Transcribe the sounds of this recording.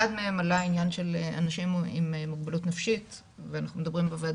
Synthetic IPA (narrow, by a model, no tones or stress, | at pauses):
ad̪meemalainjanʃelea̰naʃimimemuɡbelut̪nafʃit | veanaχnumed̪ɐbʁimbeva